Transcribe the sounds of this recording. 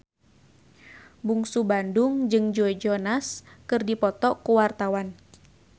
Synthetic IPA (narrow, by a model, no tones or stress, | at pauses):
buŋsubandʊŋd͡ʒɨŋd͡ʒuɛd͡ʒɔnaskɨrdipɔt̪ɔkuwart̪awan